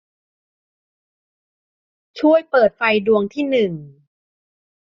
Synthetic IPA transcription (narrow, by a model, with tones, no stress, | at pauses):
t͡ɕʰu˥˩əjpɤː˨˩t̪̚fa˧jdu˧əŋt̪ʰiː˥˩nɯ˨˩ŋ